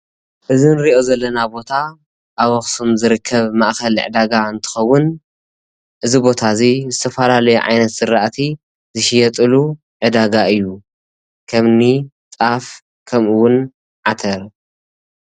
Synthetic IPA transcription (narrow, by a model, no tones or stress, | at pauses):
ʔɨzɨnɾiʔo̞zɐlːɐnabo̞t̪ʰa | ʔaβɐxsumzɨɾɨkʰːɐβmaʔxɐlʕɨ̰d̪aɡaɨnt̪ʰɨ̥xɐwʊn | ʔɨzibo̞t̪ʰazizɨt̪ʰɐfɐlalɐjuʕa̰jnɐt̪sɨɾaʔt̪ʰi | zɨʃɪjɛt̪ʼɨlu | ʕɨd̪aɡaɨjːu | kʰɐmni | t͡sʼaf | kʰɐmʔɨwʊn | ʕat̪ʰɐɾ